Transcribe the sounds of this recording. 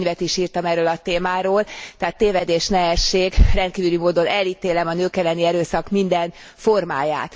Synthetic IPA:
ɲvɛt̪iʃiːrt̪ɒmɛrːøːlɒt̪eːmaːɾoːlt̪ɛaːt̪ːeːvɛd̪eːʃnɛɦɛʃːeːɡrɛnt̪̚kiːvylymoːd̪o̞nɛliːt̪eːlɛmɒnøːkɛlːɛniɛɾøːsɒkmind̪ɛn | fo̞rmaːja̰ːt̪

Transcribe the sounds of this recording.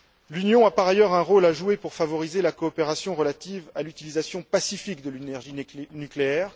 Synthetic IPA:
lynjɔ̃apaʁajœʁɛ̃ʁolaʒuepuʁfavɔʁizelakɔːpeʁasjɔ̃ʁəlat̪ivalyt̪ilizasjɔ̃pasifikd̪əlynɛʁʒinykleɛːʁ

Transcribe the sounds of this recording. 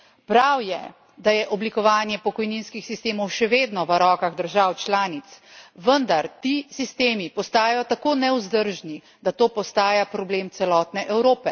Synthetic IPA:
pɾawjɛ̰ | d̪ajɛʔɔblikɔʋaːnjɛpɔkɔjninskixsist̪eːmɔwʃɛʋeːd̪nɔʋəɾɔːkaɣd̪əɾʒawt͡ʃlaːnit̪sʋənd̪aɾt̪isist̪eːmipɔst̪aːjajɔt̪akoːnɛuzd̪əɾʒni | d̪at̪oːpɔst̪aːjapɾɔbleːmt̪sɛlɔːt̪nɛʔɛwɾoːpɛ

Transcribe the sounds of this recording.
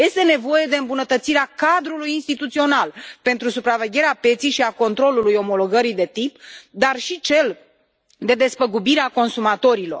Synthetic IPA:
je̞st̪e̞ne̞vo̞je̞d̪e̞ɨmbunət̪ət̪siɾeakad̪ɾulujinst̪it̪ut̪sio̞nalpe̞nt̪ɾusupɾave̞ɡʲe̞ɾeape̞t̪sijʃiako̞nt̪ɾo̞lulujo̞mo̞lo̞ɡəɾid̪e̞t̪ipd̪arʃit͡ʃe̞l | d̪e̞d̪e̞spəɡubiɾeako̞nsumat̪o̞ɾilo̞r

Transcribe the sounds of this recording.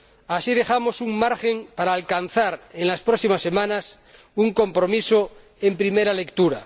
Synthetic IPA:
asið̞e̞xamo̞suŋmaɾxe̞mpaɾaːlkan̟θaɾenlaspɾoksimasːe̞mãnas | uŋko̞mpɾo̞miso | empɾimeɾale̞kt̪uɾa

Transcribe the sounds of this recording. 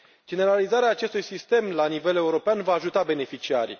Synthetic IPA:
d͡ʒe̞ne̞ɾalizaɾeaːt͡ʃe̞st̪ujsist̪e̞mlanive̞le̞uɾo̞peanvaːʒut̪abe̞ne̞fit͡ʃiaɾʲḭ

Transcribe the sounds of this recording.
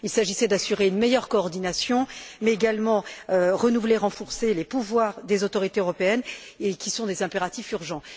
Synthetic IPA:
ilsaʒisɛd̪asyʁeynmɛjœʁkɔːʁd̪inasjɔ̃mɛeɡalmɑ̃øʁənuvleʁɑ̃fuʁselepuvwaːʁd̪ezot̪ɔʁit̪eøʁɔpeɛnekʲisɔ̃d̪ezɛ̃peʁat̪ifyʁʒɑ̃

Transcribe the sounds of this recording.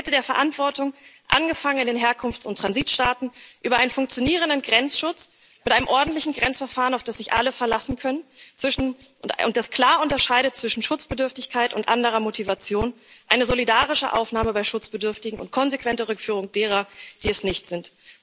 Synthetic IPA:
ɛtədeːɐfɛɐʔantv̥ɔɐtʊŋʔa̰nɡəfaŋənɪndeːnɦeːɐkʰʊnft͡sʊntʁ̥anziːtʃtaːtn̩ʔyːbɐʔaɪnənfʊŋk̚t͡sjoniːʁ̞əndənɡʁɛnt͡sʃʊt͡s | mɪtʔaɪnəmʔɔɐdn̩tlɪçn̩ɡʁɛnt͡sfɛɐfaːʁənaʊfd̥asz̥ɪçʔa̰ləfɛɐlasn̩kʰœnənt͡sv̥ɪʃn̩ | ʊn̚d̥askl̥aːɐʊntɐʃaɪɾətt͡sv̥ɪʃn̩ʃʊt͡sb̥ədʏɐftɪçkʰaɪtʊntʔandəʁ̞ɐmotʰivat͡sjoːnʔaɪnəzolidaːʁ̞ɪʃə̰ʔa̰ʊfnaːməbaɪʃʊt͡sb̥ədʏɐftɪɡŋ̩ʊ̰nt̚kʰɔnzekv̥ɛntəʁʏkfyːʁ̞ʊŋd̥eːʁ̞ɐd̥iːɛsnɪçtz̥ɪnt

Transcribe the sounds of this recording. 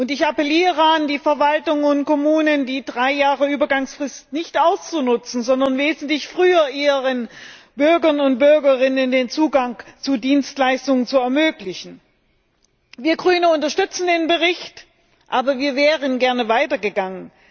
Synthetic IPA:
ʔʊntɪçapɛliːʁəandiːfɛɐvaltʊŋʊntkɔmuːnəndiːdʁaɪjaːʁəyːbɐɡaŋsfʁ̥ɪstnɪçtʔaʊst͡sunʊt͡sn̩zɔndɐnveːzn̩tlɪçfʁ̥yːɐʔiːʁən | b̥ʏɐɡɐnʊnt̚b̥ʏɐɡɐʁɪnəndeːnt͡suːɡaŋt͡sudiːnstlaɪstʊŋənt͡suɛɐmøːklɪçn̩ | viːɐɡʁyːnəʊntɐʃtʏt͡sn̩deːnbəʁɪçt | ʔaːbɐviːɐvɛːʁənɡɛɐnəvaɪtɐɡəɡaŋən

